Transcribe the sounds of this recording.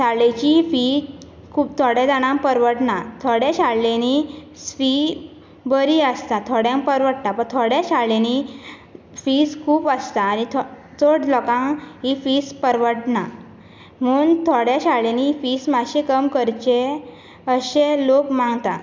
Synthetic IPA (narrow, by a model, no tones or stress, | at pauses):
saɭet͡ɕifi | kʰuːpt̪ʰoɽjed̪aɽ̃ãmpəɾʋəʈnat̪ʰoɽjaɕaɽleni | sʋi | bəɾiəst̪at̪ʰoɽjãmpəɾʋəʈt̪apəɳt̪ʰoɽjaɕaɭeni | fiskʰuːpəst̪aːnit̪ʰ | t̪ʰoɽlɔkãŋɦifiːspəɾʋəʈna | muːnt̪ʰoɽjaɕalenifiːsmaɕekəmkəɾt͡ɕe | əɕelokmãŋɡt̪a